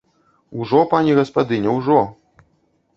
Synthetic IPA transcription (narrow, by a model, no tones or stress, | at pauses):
uwʐɔpanʲɛɣɐspad̪ɨnʲɛwʐɔ